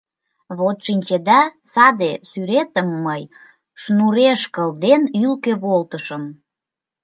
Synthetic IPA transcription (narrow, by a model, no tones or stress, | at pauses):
βot̪ʃinʲt͡ɕed̪ɑsɑd̪esyɾet̪əmːəj | ʃnuɾeʃkəld̪enylkeβolt̪əʃəm